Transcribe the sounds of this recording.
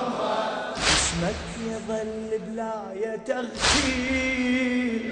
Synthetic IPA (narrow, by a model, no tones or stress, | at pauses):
ɪsmakː | ðˤɑlːɪblaːjat̪aɣt̪i